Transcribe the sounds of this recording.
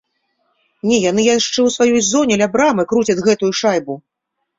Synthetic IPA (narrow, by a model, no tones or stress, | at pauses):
nʲɛjan̪ɨjaʂt͡ʂɛwsvajɔjzɔnʲɛlʲabɾamɨkɾut͡sʲɐd̪ʲɣɛt̪ujuʂajbu